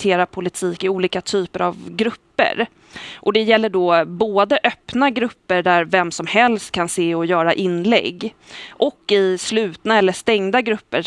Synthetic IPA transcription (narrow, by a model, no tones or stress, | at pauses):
t̪ʰeːɾapʰʊlɪt̪ʰiːkɪuːliːkat̪ʰyːpəɾa̰vɡɾɵpːə̰ɾ | ʔɔd̪ɛjɛlːəɖɔboːd̪əʔœpnaɡɾɵpːəɖæɾvɛmsɔmhɛlst̪̚kʰanseːɔjœːɾaʔɪnːlɛ̰ɡː | ʔɔkːɪslʉ̟ːt̪naɛlːəʂt̪ɛŋd̪aɡɾɵpːəɾ